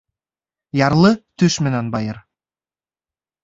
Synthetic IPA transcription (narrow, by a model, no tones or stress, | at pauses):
jɑɾlˠɤt̪ɵʃmɘ̆nænbɑjɤɾ